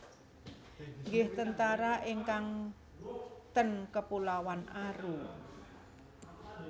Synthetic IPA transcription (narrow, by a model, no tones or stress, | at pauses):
ŋɡɪht̪ənt̪aɾaʔiŋkaŋ | t̪ənkəpulawanʔaɾu